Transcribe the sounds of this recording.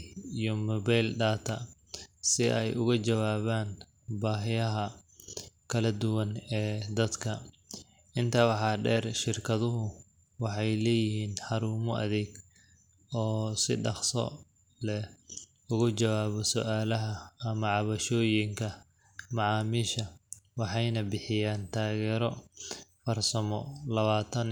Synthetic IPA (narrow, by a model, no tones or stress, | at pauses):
ijɔmɔβajlɖaːt̪ʰɐ | sɪʔɛjʔʊɣɐt͡ʃɐwaːβaːn | baːɦɪjɐɦɐ | kʰɐlɐd̪ʊwɐnɛːd̪ɐd̪kʰɐ | ʔɪnt̪ʰɐwɑħɑːɖɛːrʃɪrkʰɐðʊɦʊ | wɑħɑjlɛːjɪɦiːnħɑɾuːmɔʔɐ̰ðɛːɡ | ɔːsɪ̰ɖɑχsɔ̰ | lɛ | ʊɣʊt͡ʃɐwaːβɔsɔʔaːlɐɦɐːmɐʕɑβɐʃɔːjɪŋkʰɐ | mɑʕɑːmiʃɐwɑħɑjnɐbɪħɪjaːnt̪ʰaːɣɛːɾɔfɐrsɐmɔlɐβaːt̪ʰɐn